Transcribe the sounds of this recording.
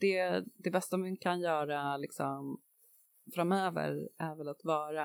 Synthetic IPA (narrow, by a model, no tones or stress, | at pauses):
d̪̥ɛd̪ɛbɛst̪amɪnkʰanjœːɾalɪksɔm | fɾamøːvə̰ɾæɾvɛlat̪vɑːɾa